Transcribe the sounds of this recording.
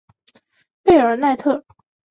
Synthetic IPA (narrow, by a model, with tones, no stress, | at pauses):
pe˥˩ə˞˧˥na˥˧ɪt̪ʰɤ˥˩